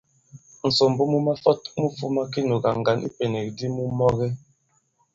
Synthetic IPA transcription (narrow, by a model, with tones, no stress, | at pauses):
n̩˨so˨m˨bu˦mu˦ma˦fɔ˦t̚mu˦fu˦ma˦ki˦no˨ɡa˨ŋ˨ɡa˨nʔḭ˦pe˨ne˨k̚di˦mu˦mɔ˦ɣɛ˦